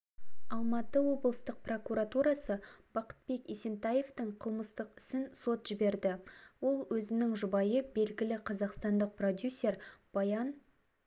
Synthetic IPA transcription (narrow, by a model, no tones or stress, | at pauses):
ɑlˠmɑt̪əwo̞blˠəst̪əq̚pro̞kuɾat̪uɾɑsəb̥ɑqə̥t̪̚be̞kese̞nt̪ɑje̞ft̪əɴqʰəlˠməst̪əqɪ̥sɪnso̞t̪ʒ̥ɪbe̞ɾd̪ɪwo̞lˠwɵzɪnɪŋʒʊbɑjəbe̞lɡʲɪlɪqʰɑzɑqst̪ɑnd̪əq̚pro̞d̪ʲjusʲːe̞ɾb̥ɑjɑn